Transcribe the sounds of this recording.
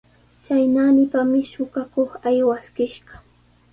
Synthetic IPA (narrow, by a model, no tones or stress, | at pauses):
t͡ʃajnaːnɪpamɪʃʊɢakoχajwaskɪʃɢɑ̥